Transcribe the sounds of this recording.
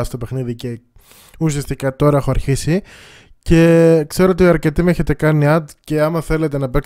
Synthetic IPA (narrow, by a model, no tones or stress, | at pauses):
ɐst̪o̞pe̞xniðice̞ | usiɐst̪ikɐt̪o̞ɾɐexo̞ɐɾçisi | ce̞kse̞ɾoot̪iɐɾce̞t̪imeçe̞t̪e̞kɐniɐd̪ce̞ɐmɐθe̞le̞t̪e̞nɐpe̞k